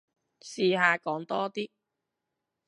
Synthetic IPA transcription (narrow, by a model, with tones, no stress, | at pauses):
siː˨˧ɦaː˨˧kɔː˨˥ŋt̪ɔː˥t̪iː˥